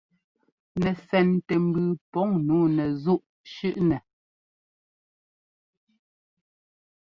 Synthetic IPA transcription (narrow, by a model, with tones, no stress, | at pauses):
nɛ˨sɛ˨ntɛ˨m̩˦bʉ˨pɔ˨˦ŋnuː˨˦nɛ˨zu˦˨ʔ | ʃʉ˦ʔnɛ˨